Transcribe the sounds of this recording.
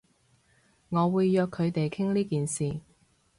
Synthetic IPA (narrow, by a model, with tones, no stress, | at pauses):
ŋɔː˨˧wuː˨˧jjœː˧kʰːɵ˨˧ɥt̪e˨jkʰɪ˥ŋliː˥kiː˨nsiː˨